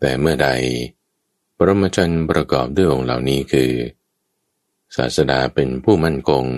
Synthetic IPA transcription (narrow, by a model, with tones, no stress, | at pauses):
t̪ɛː˨˩mɯ˥˩ɐda˧j | pɾo˧mːa˧t͡ɕʰo˧npɾʔa˧kɔ̰ː˨˩p̚du˥˩əʔo˧ŋla̰˨˩wniː˦˥kʰɯː˧ | sa̰ː˨˩t̪̚sa˧daː˧pe˧npʰuː˥˩ma˥˩nkʰo˧ŋ